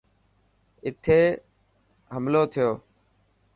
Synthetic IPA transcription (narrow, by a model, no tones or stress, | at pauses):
ɪt̪ʰeː | ɦəmloːt̪ʰɪjoː